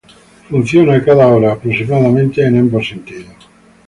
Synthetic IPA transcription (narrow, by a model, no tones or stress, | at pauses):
funt̪θjonaekaðaoɾaːpːɾosimaðament̪eːnambosent̪iːðo